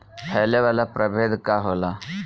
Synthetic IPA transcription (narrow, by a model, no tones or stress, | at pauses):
pʰɛleʋaːlapɾəbʱeːd̪kaɦoːlaː